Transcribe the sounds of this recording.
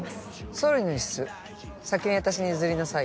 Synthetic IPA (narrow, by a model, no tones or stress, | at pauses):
soɾʲinoiɕi̥sɨ | sakʲiɲĩβat̪aɕiɲ̟izɨɾʲinasai